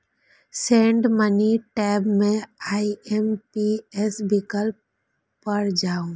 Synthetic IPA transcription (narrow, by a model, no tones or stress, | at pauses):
sẽːɳɖməniʈɛːbmẽaːiempiesbʱɪkəl | pəɾd͡ʒaːũ